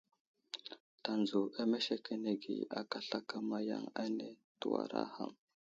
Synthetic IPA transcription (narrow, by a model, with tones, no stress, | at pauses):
ta˨nzu˨a˦me˦ʃe˦ke˦ne˦ɡi˨a˨ka˦ɬa˦ka˦ma˦ja̰˦ŋa˦ne˨ | tu˨wa̰˨ɾa̰˦ha˦m